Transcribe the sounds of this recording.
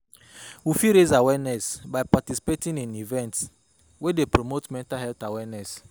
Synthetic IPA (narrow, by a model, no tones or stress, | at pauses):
wifiɾezawɛnɛsbaɪpatisi̥petĩnĩnivɛ̃nts | wedepɾomotmɛ̃ntaɦɛltawɛnɛs